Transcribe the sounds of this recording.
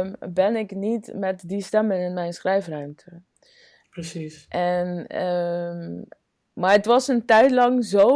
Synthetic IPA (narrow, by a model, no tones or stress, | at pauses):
mbɛnɪknitmɛtdistɛmənɪnmɛjnsχrɛjfrœɥmtʰə | psisʔɛnə | maːɹətʋɑsəntɛjtlɑŋzo